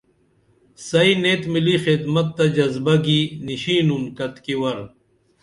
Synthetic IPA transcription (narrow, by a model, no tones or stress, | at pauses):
sɐineːt̪milixid̪mɐt̪ːɐd͡ʑɐzbɐɡiniɕiːnumkɐt̪kiwɐɾ